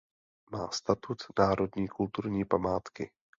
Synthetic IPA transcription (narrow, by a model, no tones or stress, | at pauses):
maːst̪at̪ut̪naːɾo̞dɲiːkult̪uɾɲiːpamaːt̪kɪ